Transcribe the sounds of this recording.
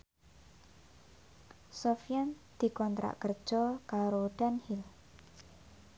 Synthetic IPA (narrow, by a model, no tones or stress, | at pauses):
sofijan | d̪̥i̤kɔnt̪ɾa̰ʔkərd̥ʒ̥ɔkaɾoɖ̥anhil